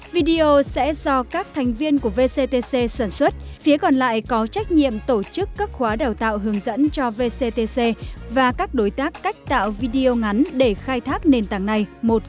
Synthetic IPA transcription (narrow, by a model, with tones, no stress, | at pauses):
vi˧ɗi˧o˧sɛ̰˧˥zɔ˧kaː˦˥k̚t̪ʰɛ˨˩jŋ̟vi˧ənku˧˩əve˧se˧t̪e˧se˧saː˧˩nswə˦˥t̚fi˨˦əkɔ˨˩nla̰ː˧˨jkɔ˨˦t͡ɕa˦˥jk̟̚ɲḭ˧˨əmt̪o˧˩t͡ɕɨ˦˥kːaː˦˥k̚xwaː˨˦ɗaː˨˩wt̪a̰ː˧˨wɦɨ˨˦əŋzə̰˧˥nt͡ɕɔ˧ve˧se˧t̪e˧se˧vaː˨˩kaː˦˥k̚ɗo˨˦jt̪aː˦˥kːa˦˥jk̟̚t̪a̰ː˧˨wvi˧ɗi˧o˧ŋa˨˦nɗe˧˩xaː˧jt̪ʰaː˦˥k̚ne˨˩nt̪aː˧˩ŋna˨˩jmo˨˩t̚